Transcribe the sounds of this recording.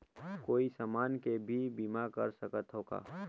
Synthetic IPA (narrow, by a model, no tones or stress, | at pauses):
koːisəmaːnkebʱibiːmakə̰ɾsəkət̪ɦoːɡa̰ː